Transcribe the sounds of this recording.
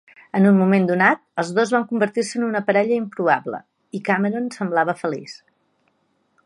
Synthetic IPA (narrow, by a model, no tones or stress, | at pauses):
ənunmumend̪unat̪̚əlˠzðozβaŋkumbəɾt̪irsəːnunəpəɾɛʎəimpɾuβablə̰ | ikaməɾonsəmblaβəfəlḭs